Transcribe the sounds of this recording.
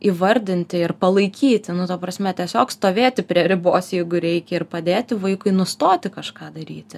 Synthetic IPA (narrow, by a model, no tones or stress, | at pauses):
iʋɐɾʲd̪ʲɪnʲt̪ʲɪɪrpɐlˠɐɪkʲiːt̪ʲɪnʊt̪ɐpɾɐsʲmʲɛt̪ʲiɛsʲoːkst̪oːʋʲeːt̪ʲɪpʲɾʲiɛɾʲɪboːsjɛɪɡʊɾʲɛɪkʲɛɪrpɐd̪ʲeːt̪ʲɪʋɐɪkʊɪnʊst̪oːt̪ʲɪkɐʃkɑːd̪ɐɾʲḭːt̪ʲɪ